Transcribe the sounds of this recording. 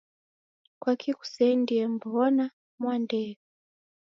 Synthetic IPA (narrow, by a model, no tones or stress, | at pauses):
kwakʰiku̥sɛndijɛmbuɔna | mwandɛu